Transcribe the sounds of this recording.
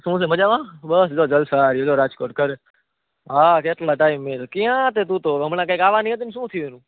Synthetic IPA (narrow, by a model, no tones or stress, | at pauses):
sũs̬ẽːməd͡ʒaːʋãːbəsd͡ʒoːd͡ʒəlsaːɾed͡ʒoːɾaːd͡ʒkoːɾʈ̚kəɾ | ɦaːkeːʈlaːʈaːɪmːẽt̪okijãt̪et̪ũːt̪oːɦəmnãkəikaːʋanĩẽt̪̬ɪmsũːt̪ʰiʋeːnũː